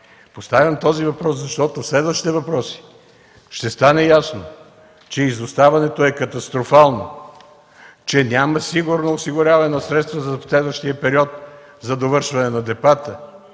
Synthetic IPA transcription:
post̪avʲɐmt̪ɔzivɐpɾɔszɐʃt̪ɔt̪ofslɛd̪vəʃt̪i̥t̪ɛvɐpɾɔsi̥ | ʃt̪ɛst̪anɛjasno | t͡ʃɛizost̪avɐnɛt̪oɛkɐt̪ɐst̪ɾofalˠno | t͡ʃɛnʲaməsiɡuɾnoːsiɡʊɾʲjavɐnɛnɐsɾɛt̪st̪vəzɐslɛd̪vəʃt̪iəpɛɾiɔt̪̚ | zɐd̪ovɤɾʃvɐnɛnɐd̪ɛbat̪ə

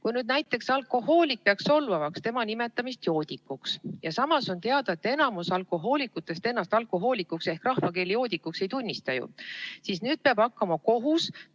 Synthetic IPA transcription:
kujnyːd̪̚næjt̪ːˑe̞ksɑlko̞ho̞ːlik̚peɑkso̞lvɑvɑkst̪e̞mɑnime̞t̪ːˑɑmist̪jo̞ːd̪̥ʲikːˑuksjɑsɑmɑso̞nt̪e̞ɑd̪̥ɑet̪ːˑe̞nɑmusɑlkˑo̞ɦo̞ːlikːut̪ːˑe̞st̪e̞nːɑst̪ɑlkˑo̞ɦo̞ːlikːˑukse̞hkrɑhvɑke̞ːlijo̞ːd̪ikːukse̞jt̪unʲːist̪ɑjṵsisnyːd̪̥̚peɑb̥ɑkːɑmɑko̞ɦus

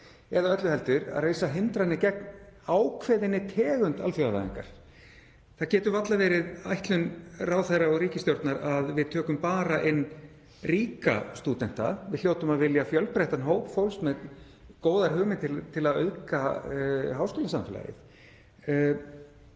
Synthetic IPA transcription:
ɛðaœt̪lʏhɛlt̪ʏɾa̰ðreːjsaɦɪnt̪ɾanɪcɛk̚naːwkʰvɛːðɪnːɪt̪ʰɛːɣʏnt̪alfjœɾala̰ðɪ̰ŋka̰ɾ̥ | θacɛːt̪ʏvat̪lavɛːɾɪðajht̪lʏnraːwθerːaɔɣɾiːcɪst̪jowɾt̪naɾaðvɪðt̪ʰœːkʏmpaːɾaʔɪnː | riːka̰st̪ut̪ɛn̥t̪a̰vɪðl̥joːwt̪ʏmaðvɪljafjœlpɾɛht̪anɦoːwpfowlsmɛð | koːwðaɾ̥ɦʏːmɪt̪ʰɪt̪ʰɪlaðœ̰ðka | ɦaːwskɪːlɪsamfɪla̰jɪ̰θ

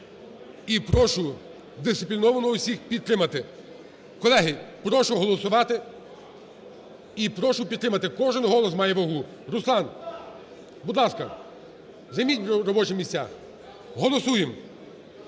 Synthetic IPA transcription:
ipɾɔʃʊ | d̪ɪst̪ɪpʲlʲinɔʋɐnɔʊsʲixpʲid̪̚t̪ɾɪmɐt̪ɪ | kɔlˠɛɦɪpɾɔʃʊɦɔlˠɔsʊʋɑt̪ɪ | ipɾɔʃʊpʲid̪t̪ɾɪmɐt̪ɪkɔʒɪnɦɔlˠɔsmɑjɛʋɐɦu | ɾʊslˠɑn | bud̪lˠɑskɐ | zɐjmʲitʲɾɔbɔt͡ʃɪmʲisʲt͡sʲa̰ | ɦɔlˠɔsujem

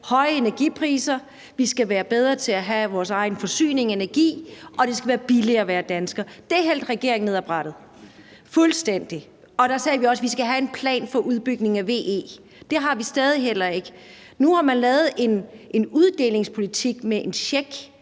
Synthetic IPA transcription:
hɒ̽ɪəe̝næɐɡ̥ipʰʁḭːsɐ | ʋisɡ̥æʋæːɐb̥eð̞ˠʁɐt͡sʰe̝læɦæʋɒːsɑ̈ɪnfɒ̽sy̰ːne̝ŋe̝næɐɡ̥ḭːʔɒ̽d̥e̝sɡ̥æʋæːɐb̥iliɐːʋæːɐd̥ænsɡ̥ɐd̥e̝æɐɦel̰d̥ʁɛɡ̥e̝ɐ̰eŋne̝ðˠɑb̥ʁɑɾ̥ð̞̩ˠ | fulsd̥en̰d̥i | ɒ̽d̥ɑsɛːʋiɒ̽sʋisɡ̥æɦæe̝npʰlɛ̰ːnfɒ̽ʔuðˠb̥yɡ̥ne̝ŋæʋe̝̰ːe̝̰ː | d̥e̝ɦɑ̈ʋisd̥ɛːð̞ˠiɦel̰ɐe̝ɡ̥ə | nuhɑ̈mænlɛːð̞̩ˠe̝nʔenuð̞ˠd̥e̝̰ːle̝ŋspʰo̝lit͡sʰiɡ̥meʔenɕeɡ̥

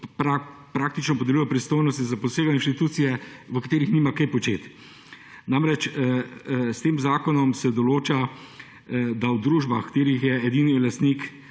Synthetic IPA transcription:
pɾa | pɾaːk̚t̪it͡ʃnɔpɔd̪ɛluːjɔpɾist̪oːjnɔst̪izapɔseːɡainʃt̪it̪uːt̪sijɛʋəkat̪eːɾixniːmakɛjpɔt͡ʃeːt̪ | namɾɛt͡ʃ | st̪eːmzaːkɔnɔmsɛd̪ɔloːt͡ʃa | d̪awd̪ɾuːʒbaxkt̪eːɾixjɛɛd̪iːnilast̪niːk

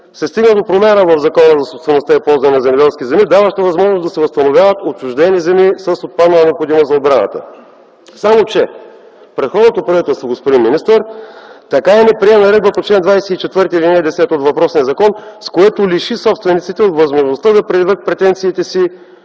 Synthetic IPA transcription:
sɛst̪iɡnəd̪opɾomʲanəvɐvzɐkɔnəzɐsost̪vɛnost̪aipɔlˠzɐnɛnɐzɛmɛd̪ɛlˠskʲizɛmid̪avəʃt̪əvɐzmɔʒnosd̪ɐsɛvɐst̪ɐnovʲjavət̪ot͡ʃuʒd̪ɛnizɛmisəsot̪̚pad̪nəlˠənɛopxod̪imozɐod̪̚bɾanə̰t̪ə̰ | samot͡ʃɛ | pɾɛt̪xɔd̪not̪opɾɐvit̪ɛlˠst̪voɡospod̪inminist̪əɾt̪ɐkaɛnɛpɾiɛnɐɾɛd̪bəpot̪t͡ʃlɛnd̪vajsɛit͡ʃɛt̪vɤɾt̪ilinɛd̪ɛsɛt̪ot̪vɐpɾɔsniəzɐkɔnskoɛt̪oliʃisɔpst̪vɛnit̪sit̪ɛot̪vɐzmoʒnost̪ad̪ɐpɾɛd̪vət̪̚pɾɛt̪ɛnt̪siːt̪ɛsi

